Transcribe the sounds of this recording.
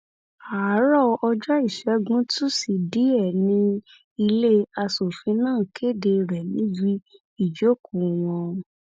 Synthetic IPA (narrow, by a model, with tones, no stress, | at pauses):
a˨˦ɾɔ˦ɔ˧d͡ʒɔ˦i˦˨ʃɛ˨˦ɡũ˦tu˦si˨di˨˦ɛ˦˨nĩ˧ | i˧le˦a˧so˨fĩ˨˧˦nãː˦˨kʰe˦˨de˧ɾɛ˨nĩ˨˦d͡ʒi˦ | i˦˨d͡ʒo˨˦ku˨w̃ɔ̃˧